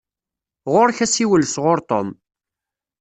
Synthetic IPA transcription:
ʁoɾçæsiwəlsʁʊɾt̪o̰m

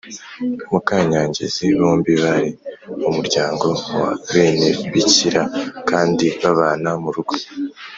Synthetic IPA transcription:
mukaːɲaːɲɟe̞̰ziβoːmbiβaɾiumuɾɟaːŋɡo̞waβeːneβiciɾakaːndiβaβaːnamuɾuɡ̥o̥

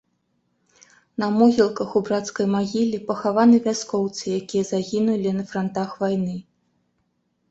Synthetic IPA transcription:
nɐmɔɣʲilˠkɐxubɾat̪skɐjmaɣʲilʲipɐxavanɨvʲaskɔwt̪sɨjakʲijɐzaɣʲinulʲinɐfɾɐnt̪axvajnɨ

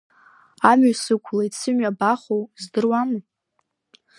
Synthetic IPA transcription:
amɥasɨkʷʰlajt͡sʰɨmɥabaχowzdɨrwamɨ

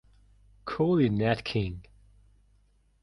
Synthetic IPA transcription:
kʰɔlinætkʰɪ̃ŋ

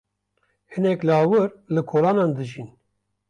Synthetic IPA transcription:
hɨnɛklɨɑːwɨɾlɨkʰoːlɑːnɑːnd̪ɨʒin

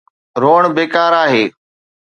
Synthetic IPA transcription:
ɾoːəɳ̃beːkaːɾaːɦeː

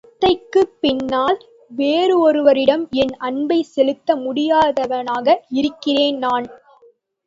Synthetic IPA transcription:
t̪ːɐɪkːɯpːɪnːaːl | ʋeːɾɯɔɾɯʋɐɾɪɽɐmɛnɐɳbɐɪsɛlɯt̪ːɐmʊɽɪjaːðɐʋɐnaːɣɐɪɾɯkːɪreːnnaːn

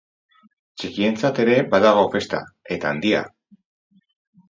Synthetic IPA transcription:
t͡ʃikie̞nt͡sat̪e̞ɾe̞baðaɣ̞o̞fe̞st̪a̰e̞t̪aːnd̪ia̰

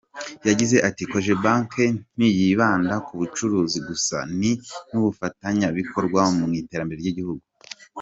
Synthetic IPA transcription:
jaɟize̞ʔatikoʒebaŋken̥ijiβaːndakuβut͡ʃuɾuːziɡusa̰ninuβufataɲaβikʰo̞ɾɡwamumŋiːte̞ːɾambe̞ɾeɾɟiɟihuɡu

